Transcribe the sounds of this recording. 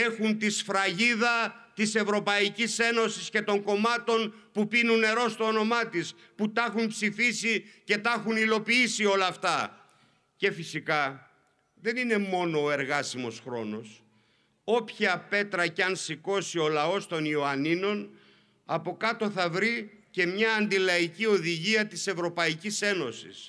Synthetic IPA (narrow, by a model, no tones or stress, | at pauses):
e̞xunt̪isfɾɐʝiðɐt̪ise̞vɾo̞pɐicise̞no̞sisce̞t̪o̞ŋko̞mɐt̪o̞npupinunːe̞ɾo̞st̪oono̞mɐt̪is | put̪ɐxunpsifisice̞t̪ɐxunilo̞piisio̞lɐːft̪ɐ | ce̞fisikɐ | ðe̞nine̞mo̞no̞ːe̞ɾɣɐsimo̞sxɾo̞no̞s | o̞pçiɐpe̞t̪ɾɐceɐnsiko̞sio̞lɐo̞st̪o̞nioɐnino̞n | ɐpo̞kɐt̪o̞θɐvɾice̞mɲɐːnd̪ilɐicio̞ðiʝiɐt̪ise̞vɾo̞pɐicise̞no̞sḭs